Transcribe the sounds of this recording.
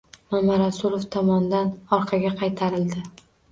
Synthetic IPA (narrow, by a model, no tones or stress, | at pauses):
mamaɾasʊlˠoft̪ʰɒmɒnd̪anɒɾqʰɑɡʲaqʰɑjt̪ʰaɾɪld̪ɪ